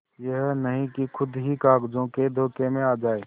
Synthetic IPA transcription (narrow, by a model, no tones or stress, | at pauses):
jəɦnəɦĩkikʰʊd̪ʱɦikaːɡd͡ʒõked̪ʱoːkemẽaːd͡ʒaːe